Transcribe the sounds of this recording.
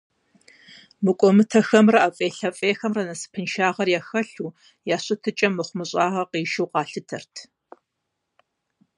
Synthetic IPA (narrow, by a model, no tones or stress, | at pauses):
mɨkʷʼɔmɨtʰɐxɐmrɐafʼeːɬɐfʼeːxɐmrɐnɐsɨ̥pʰɨnʃaːʁɐrjaxɐɬuː | jaːɕɨtʰɨt͡ʃʼɐmːɨχʷʊmɨɕʼɑːʁɐqiːʃɨwqɑːɬɨtʰɐ̰rtʰ